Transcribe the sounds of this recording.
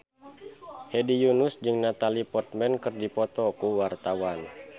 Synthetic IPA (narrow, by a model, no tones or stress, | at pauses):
hɛdijunusd͡ʒɨŋnat̪alipɔrt̪̚mɛnkɨrdipɔt̪ɔkuwart̪awan